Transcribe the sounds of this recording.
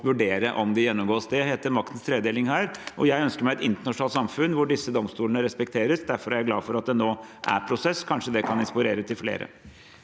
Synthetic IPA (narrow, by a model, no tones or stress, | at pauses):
ʋʉɖeːɾəʔɔmd̪ɪjɛnːɔmɡoːsd̪ɛɦeːt̪əɾmɑk̚t̪ən̩st̪ʰɾeːd̪eːlɪŋhæːɾʔɔjæɪœnskəɾmæɪɛt̪ɪnt̪əɳɑʂn̩ɑːt̪sɑmfʉnːʋʊɖɪsːəd̪ɔmst̪uːlənəɾɛspɛkt̪ʰeːɾəsd̪æɾfɔɾæɾæɡlɑːfɔɾɑt̪̚d̪ɛnoːʔæ̰ɾpʰɾʊsɛskʰɑnʂəd̪ɛkʰɑnɪnspʊɾeːɾət̪ʰɪlflḛːɾə̰